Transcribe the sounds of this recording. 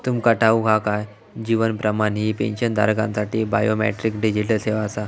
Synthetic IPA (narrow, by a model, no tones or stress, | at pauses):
t̪umkəʈʰaukakaj | d͡ʑiʋənpɾəmanɦiːpḛ̃nɕənd̪ʱa̰ɾkã̰nsaʈiːbajomɛ̰ʈɾikɖid͡ʑiləseʋasa